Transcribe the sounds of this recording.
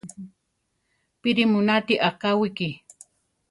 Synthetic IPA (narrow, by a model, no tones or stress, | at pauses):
pɪɾɪmʊnat̪iʔɑqɑwɪkɪ